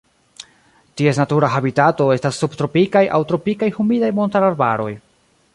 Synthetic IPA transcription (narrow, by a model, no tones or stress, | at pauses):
tie̞snatuɾaɦabitato̞e̞stasːubtɾo̞pikajʔa̰wtɾo̞pikajhumidajmo̞ntaɾaɾbaɾo̞j